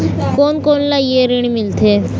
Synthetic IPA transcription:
koːnkoːnlajeɾiɳ̃imɪlt̪ʰeː

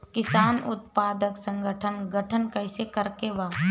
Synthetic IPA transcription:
kɪsaːnʊt̪̚paːd̪əksə̃ŋɡʱəʈʰənɡəʈʰənkəɪsekəɾkeʋaː

